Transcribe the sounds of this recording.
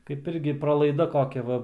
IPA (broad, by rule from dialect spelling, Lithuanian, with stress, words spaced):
kɐɪp ˈɪrʲɡʲɪ prɐlˠɐɪˈdɐ ˈkoːkʲɛ ˈʋɐ